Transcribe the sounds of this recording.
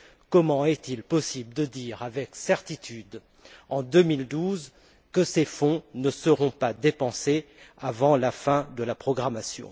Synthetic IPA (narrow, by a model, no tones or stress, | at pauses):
kɔmɑ̃ɛt̪ilpɔsibləd̪əd̪iʁavɛksɛʁt̪it̪ʰyd̪ | ɑ̃d̪əmild̪uz | kəsefɔ̃nəsəʁɔ̃pad̪epɑ̃se | avɑ̃lafɛ̃d̪əlapχɔɡʁamasjɔ̰̃